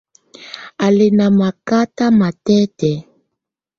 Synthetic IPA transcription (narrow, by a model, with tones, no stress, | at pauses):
a˨le˨na˨ma˨ka˦ta˦ma˨tɛ˦tɛ˨